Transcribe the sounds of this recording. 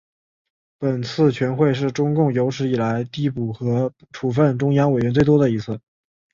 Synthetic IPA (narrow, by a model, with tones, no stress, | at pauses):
pə˨˩nt͡sʰɹ̩˥˩t͡ɕʰɥɛ˧˥nxwe˥˧ɪʂ̬ɻ̩˥˩ʈ͡ʂʊ˥ŋkʊ˥˩ŋjo˧˥ʊʂʰɻ̩˧˥i˨˩la˧˥ɪt̪i˥˧˩pu˥˩xɤ˧˥ | ʈ͡ʂʰu˨˩fə˥˩nʈ͡ʂʊ˥ŋjɑ˥ŋwe˨˩ɪɥɛ˧˥nt͡swe˥˩ɪt̪wɔ˥d̪ə˨i˧˥t͡sʰɹ̩˥˩